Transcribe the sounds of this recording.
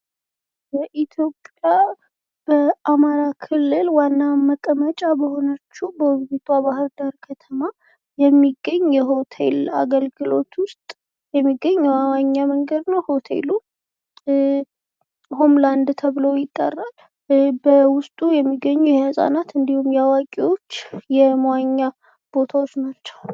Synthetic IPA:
bəʔit̪ʰjo̞pʼja | b̥əʔamaɾakʰɨlːɨlwanːaməkʼəmət͡ʃʼabəho̞nət͡ʃːubəɡut̪ʰʼabahɨɾd̪aɾkʰət̪ʰəma | jɛmːiɡːəɲːjɛɦo̞t̪ʰe̞̰la̰ɡəlɡɨlo̞t̪ʰwʊst̪ʼ | jɛmːiɡːəɲːɛwawaɲːaməŋɡəd̪nəwho̞t̪ʰe̞̰lu | homland̪t̪ʰəβɨlowjɪt̪ʼːə̰rːal | bəwʊst̪ʼujɛmːiɡːəɲːujɛhəsʼa̰nat̪ɨnd̪ihumjawakʼiwo̞t͡ʃːjɛmwaɲːa | b̥o̞t̪ʰawo̞t͡ʃːnat͡ʃːɛ̥w

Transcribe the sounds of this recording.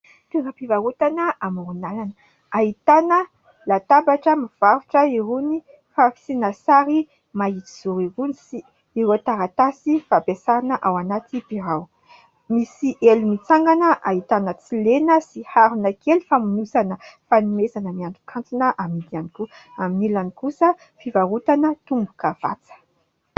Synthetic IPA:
t̪eɾəpivaut̪anəamuɾunalanə | ait̪anə | lat̪abaʈ͡ʂəmiv̥aɾuʈ͡ʂəiɾuni | faki̥sinasaɾi | mait͡s̪i̥z̥uɾiɾunisiː | ɾet̪aɾat̪asifapesaɾanəʔawanat̪ipiɾaw | misiʔelimit͡saŋɡanəʔaɦit̪anət͡silenəsihaɾunəkʰelifamunusanəfanumezanəmiaɳɖ͡ʐu̥kʰant͡sunəʔamid̪aniku | aminilanikusə | fivaɾut̪anət̪umbukəv̥a̰t͡sə̥

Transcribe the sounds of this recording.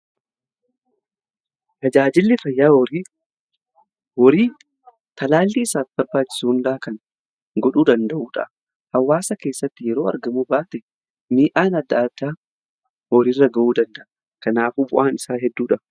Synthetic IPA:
t̪ɐd͡ʒaːd͡ʒɪlːɪfɐjːaːi | wɔɾiː | t̪ɐlaːlːiːɪsaːfbɐɾbaːt͡ʃːɪ̥suhʊnd̪aɐkɐn | ɡɔᶑuːd̪ɐnd̪ɐʔuːᶑɐ̰ʔ | hɐwːaːsɐke̞ːsːɐt̪ːɪjɛɾo̞ːɐ̰ɾɡɐmuːbaːt̪ɛ | miːʔaːnɐd̪ːɐʔad̪aː | wɔɾirːɐɡɐʔuːd̪ɐnd̪ɐʔɐ | kɐnaːfubʊʔaːnɪsaːɦɛd̪ːuːᶑɐ

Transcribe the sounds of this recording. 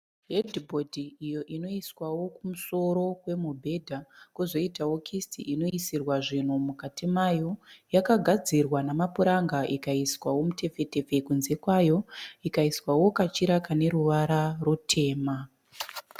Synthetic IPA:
ɦedʱibʱo̞dʱiijo̞ʔino̞iswawo̞kumuso̞ɾo̞we̞mobʱe̞dʱakuzo̞itawo̞kʰistiʔino̞isirwaʐin̤umukatimajo̞jakaɡʱad͡zirwanamapuɾaŋɡaʔikaiswawo̞mute̞fe̞te̞fe̞kunze̞kwajo̞ikaiswawo̞kat͡ʃiɾakane̞ɾuʋaɾarutʰe̞ːma

